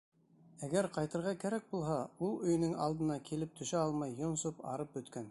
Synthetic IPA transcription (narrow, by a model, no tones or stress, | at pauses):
æɡæɾqɑjt̪ɤ̆ɾʁɑkæɾæk̚bulˠɦɑulˠɵ̆j̆nɵŋɑ̰lˠd̪ɤ̆nɑkilɘp̚t̪ʰɵ̆ʃæɑlˠmɑjːŏnsopɑ̰ɾɤp̚bɵ̆t̪kæn